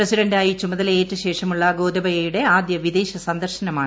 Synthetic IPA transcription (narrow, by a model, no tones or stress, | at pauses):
prɐsiɖɐɳɖaːjit͡ɕumɐðɐle̞ːtːɨɕe̞ːʂɐmuɭːɐɡo̞ːd̪ɐbɐjɐjuɽe̞aːd̪jɐʋid̪eːɕɐsɐnd̪ɐrɕɐnɐmaː